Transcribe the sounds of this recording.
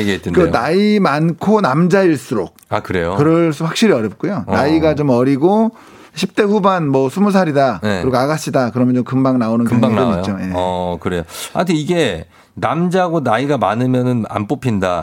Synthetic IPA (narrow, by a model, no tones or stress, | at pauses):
eɡeet͈enkeɯnaimankʰonamd͡ʑaiɭs͈uɾok̚akɯɾe̞jokɯɾʌɭs͈ɯɸwak̚ɕ͈iɾiʌɾjʌp̚k͈ujonaiɡat͡ɕomʌɾiɡo | ɕʰip̚t͈e̞ɸubanmwʌsʰumus̬ʰaɾidajeɯɾiɡoaɡaɕ͈ʰidakɯɾʌmjʌnt͡ɕomkɯmbaŋnaonɯnkɯmbaŋnʌḭjot͡ɕoje̞kɯɾe̞joa̰ntʰeiɡe̞ | namd͡ʑaɡonaiɡamanɯmjʌnɯna̰np͈opʰinda